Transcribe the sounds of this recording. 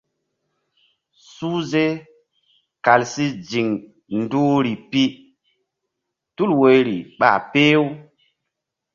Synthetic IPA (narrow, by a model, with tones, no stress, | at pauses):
su˦ze˦ | ka˨lsi˦d͡ʒi˨ŋ | ndu˦ɾi˨pi˦ | tu˦lwe˨jɾi˨ɓa̰˨pe˦w